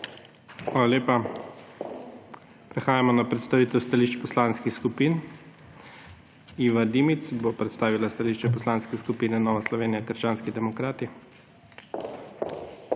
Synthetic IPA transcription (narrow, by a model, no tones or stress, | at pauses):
xʋaːlaleːpa | pɾɛxaːjamɔnapɾɛt̪st̪aʋiːt̪ɛwst̪aliʃt͡ʃpɔslaːnskixskupiːn | iːʋad̪imit̪sbopɾɛt̪st̪aːʋilast̪aliʃt͡ʃɛpɔslanskɛskupiːnɛnɔːʋaslɔʋeːnijakəɾʃt͡ʃaːnskid̪ɛmɔkɾaːt̪i